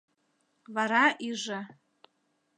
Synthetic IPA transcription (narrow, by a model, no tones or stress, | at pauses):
vaɾaʔiʐa